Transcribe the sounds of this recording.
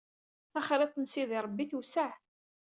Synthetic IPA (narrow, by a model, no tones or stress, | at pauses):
æχɾæt̪ːənsiðiɾˤəbːiθusaʕ